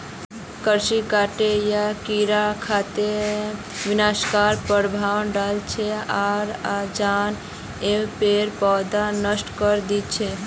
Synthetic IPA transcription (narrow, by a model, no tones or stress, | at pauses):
kəɾʃikaʈejakiɾakʰat̪e | ʋɪnaʃkaɾpəɽbʱaʋənɖalt͡ʃʰeaɾad͡ʒan | epeɾpɔd̪anəsʈkəɾd̪it͡ʃʰe